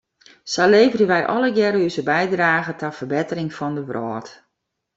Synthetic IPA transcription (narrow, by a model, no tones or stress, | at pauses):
saleːvərəʋɛjʔɔləɡjɛɾyzəbɛjdraːɣətafərbɪtərɪŋfɔndəʋrʔɔːt